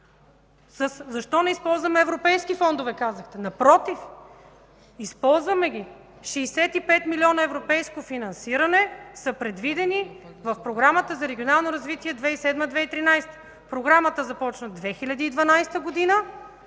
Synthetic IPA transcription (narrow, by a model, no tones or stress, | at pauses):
səszɐʃt̪ɔnɛispɔlˠzvəmɛɛvɾopɛjskifɔnd̪ovɛkazəxt̪ɛnɐpɾɔt̪if | ispɔlˠzvɐmɛɡʲi | ʃɛːsɛt̪ipɛt̪milʲɔnəɛvɾopɛjskofinɐnsiɾɐnɛsəpɾɛd̪vid̪ɛni | vɐfpɾoɡɾamət̪əzɐɾɛɡʲionalˠnoɾɐzvit̪iɛd̪vɛisɛd̪məd̪vɛit̪ɾinajst̪ə̥ | pɾoɡɾamət̪əzɐpɔt͡ʃnəd̪vɛxilʲɐd̪iːd̪vɐnajst̪əɡod̪inə